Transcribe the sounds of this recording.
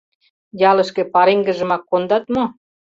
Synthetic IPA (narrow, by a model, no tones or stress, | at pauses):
jɑlə̆ʃkĕpɑɾeŋɡə̆ʒə̆mɑkːond̪ɑt̪mo